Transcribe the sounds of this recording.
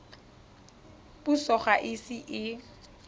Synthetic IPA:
pusɔχaʔɪsɪʔɪ

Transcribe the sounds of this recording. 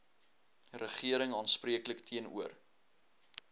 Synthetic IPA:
rəχiəɾəŋɑːnspriəkləktʰiənṵər

